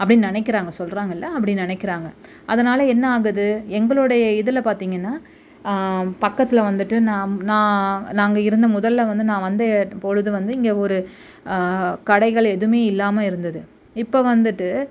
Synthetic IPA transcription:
ɐpːɐɽɪnːnɪnɛɪk̬ːɪɾaːŋɡɐsɔlɾaːŋɡɐɪlːɐɐpːɐɽɪnnɪnɛɪkːɪɾaːŋɡɐ | ɐðɐnaːlɐɛnːɐaːɣɯðɯɛŋɡɐɭɯɽɐjɐɪðɯlɐpaːɾt̪iːŋɡɐnːaː | pɐkːɐt̪ːɪlʋɐnd̪ɯʈːɯnãːnãːnaːŋɡɐɪɾɯnd̪ɐmʊðɐlːɐʋɐnd̪ɯnãːʋɐnd̪ɯpoɻɯðɯʋɐnd̪ɯɪŋɡeːɔɾɯ | kɐɽɐɪɣɐɭɛðɯmeːɪlːaːmɐɪɾɯnd̪ɐðɯ | ɪpːoʋɐnd̪ɯʈːɯ

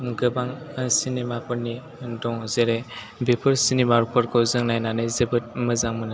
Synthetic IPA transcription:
ɡɯbaŋsinemapʰɯɾni | dɔŋzeɾe | bepʰɯɾsinibaɾpʰɔɾkʰɔzɯŋnajnanɯzɯbɯt̚mɯzaŋmɯna

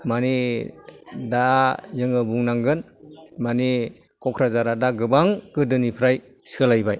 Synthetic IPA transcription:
mani | dazɯŋɯbuŋnaŋɡɯn | mani | kɔkʰɾazaɾadaɡɯbaŋkɯdɯnipʰɾaj | salajbaj

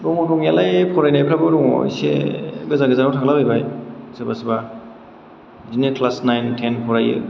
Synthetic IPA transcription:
bɔŋɾuŋjalajpʰɔɾajnajpʰɾabɯɾuŋɔ̰sḛɡɯzaɡɯzanawtʰaɡlabajbajsebasba | zinekʰlasnajntʰenpʰɔɾajɯ̰

